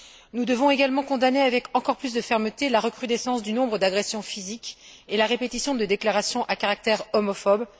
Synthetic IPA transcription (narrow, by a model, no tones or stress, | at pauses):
nud̪əvɔ̃eɡalmɑ̃kɔ̃d̪aneavɛkɑ̃kɔʁplys̬d̪əfɛʁmət̪elaʁəkχyd̪ɛsɑ̃sd̪ynɔ̃bʁəd̪aɡʁɛsjɔ̃fizik | elaʁepet̪isjɔ̃d̪əd̪eklaʁasjɔ̃ʔakaʁak̚t̪ɛʁɔmɔfɔb